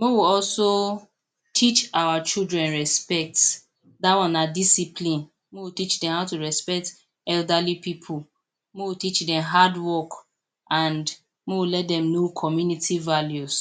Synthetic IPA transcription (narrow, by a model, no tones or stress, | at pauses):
mowiɔlso | tʰit͡ʃawat͡ʃildɹɛ̃nɹɛspɛk̚t | dawɔ̃nadisipʰlĩn | mowitit͡ʃdɛ̃mhaʊtuɹɛspɛk̚t | ɛldalipipʰul | mowitit͡ʃdɛ̃mɦadwɔk | ãnd | mowilɛt̚dɛ̃mnokʰɔmjunitʰivaljus